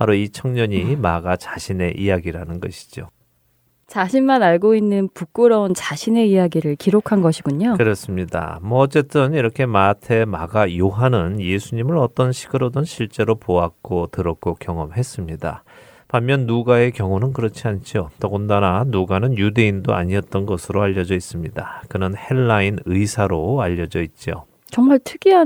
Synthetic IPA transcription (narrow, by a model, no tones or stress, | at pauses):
paɾoit͡ɕʰʌŋɲʌɲimaɡat͡ɕḁɕʰine̞ʔijaɡiɾanɯnɡʌɕʰi̥d͡ʑo̰ | t͡ɕaɕʰinmanaɭɡoinːɯnpuk͈uɾʌunt͡ɕaɕʰine̞ijaɡiɾɯɭkiɾokʰanɡʌɕʰiɡuɲokɯɾʌs͈ɯmɲida̰mʌʌt͡ɕ͈e̞t͈ɯniɾʌkʰe̞matʰe̞maɡajoɦanɯnje̞sʰuɲimɯɾʌt͈ʌnɕʰi̥ɡɯɾodonɕʰiɭt͡ɕ͈e̞ɾopoak̚k͈otɯɾʌk͈okjʌŋʌmɦe̞s͈ɯmɲida̰ | pamjʌnːuɡae̞kjʌŋunɯnkɯɾʌt͡ɕʰiant͡ɕʰiotʌɡondananuɡanɯnjude̞indoa̰ɲiʌt̚t͈ʌnɡʌsʰɯɾoaʎːʌd͡ʑʌis͈ɯmɲidakɯnɯnheɭːainɯisʰaɾoaʎːʌd͡ʑʌit̚t͡ɕ͈io̰ | t͡ɕʌŋmaɭtʰɯɡiɦa